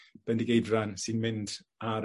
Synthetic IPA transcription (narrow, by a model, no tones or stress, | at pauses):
b̥ɛndiɡejdransinmɪnd | aɾ